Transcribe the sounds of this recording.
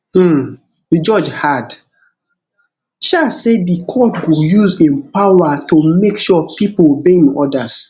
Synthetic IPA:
d͡ʒɔd͡ʒhad | ʃasedikʰɔtɡojuzɛ̃npawatumekʃɔpipolbẽnɔdas

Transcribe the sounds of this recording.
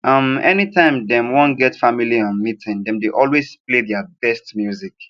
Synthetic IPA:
ʔʌ̃mɛnitʰãɪ̃mdɛ̃mwõnɡɛtfamiliɔ̃nmitʰɪ̃ndɛ̃mdeʔɔlwez̥pleðjəbɛstmjuzik

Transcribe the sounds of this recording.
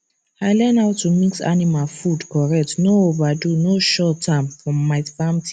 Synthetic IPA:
aɪlɛnaʊtːumiksa̰nimalfudkɔɹɛk̚tnoovadunoʃɔtʰːamfɹɔ̃mːaɪfamtʰi̥

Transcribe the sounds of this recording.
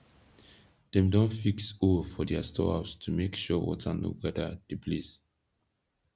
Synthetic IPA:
d̥ɛ̃mdɔ̃nfiksɔlfɔdɛastɔ̰astʰumekʃɔwɔ̰tʰano̰ɡɛdəd̥iplis

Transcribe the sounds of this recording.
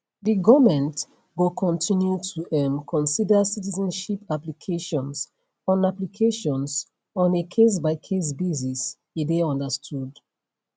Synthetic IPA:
diɡɔmɛ̃nt | ɡokʰɔ̃ntʰĩnjutʰuʔɛmkʰɔ̃nsidəsitizɔ̃nʃipaplikʰeʃɔ̃ns | ɔ̃naplikʰeʃɔ̃ns | ɔ̃nekʰes̬baɪkʰes̬bizis | ideɔ̃ndəstʰud

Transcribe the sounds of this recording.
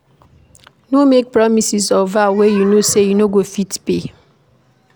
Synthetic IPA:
nomek̚pɹɔmisisɔvawejunosejunoɡofitpe

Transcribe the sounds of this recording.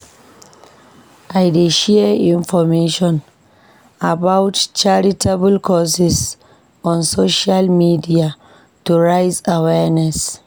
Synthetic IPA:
ʔajdeʃɛĩnfɔmeʃɔ̃n | abawtt͡ʃaɹitʰabəlkʰɔsis | ɔ̃nsoʃalmidia | tuɹajzawɛnɛs

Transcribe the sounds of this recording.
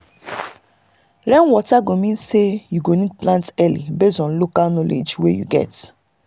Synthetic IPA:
ɹɛ̃nwɔtaɡomĩnsejuɡonik̚plãntɛlḭbesɔ̃nlokalnɔlḛd͡ʒwḛjṵɡɛ̰t

